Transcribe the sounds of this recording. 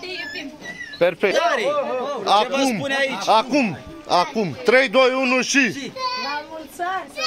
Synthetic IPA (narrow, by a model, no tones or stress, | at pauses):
perfe | akumakum | akumt̪ɾejd̪o̞junuʃi